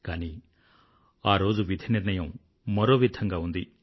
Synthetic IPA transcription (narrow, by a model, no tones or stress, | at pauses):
kaːni | aːɾoːd͡ʒuʋid̪ʱiniɾnɐjɐ̃m̃ | mɐɾoːʋid̪ʱːɐŋɡaɦund̪i